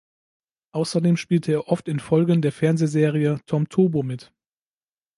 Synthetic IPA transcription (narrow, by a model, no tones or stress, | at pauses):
ʔaʊsɐdeːmʃpiːltʰəeːɐʔɔftɪnfɔlɡəndeːɐfɛɐnzezeːʁ̞iətʰɔmtʰoːbomɪt